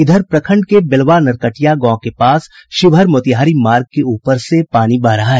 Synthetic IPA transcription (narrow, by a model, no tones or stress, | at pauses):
ɪd̪ʱəɾpɾɐkʰə̃ɳɖkebɪlʋaːnɐɾkəʈijaɡɔ̃ːkepaːsʃɪbʱəɾmoːt̪iɦaːɾimaːɾɡ̚keuːpəɾsepaːnibaːɾɐɦaɦɛː